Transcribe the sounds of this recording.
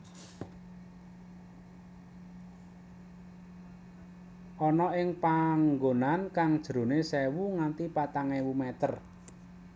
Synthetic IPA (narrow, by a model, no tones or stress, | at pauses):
ʔɔnɔɪŋpaŋɡonankaŋd̥ʒ̥ɾo̤nesɛwuŋant̪ipat̪aŋewumɛt̪ər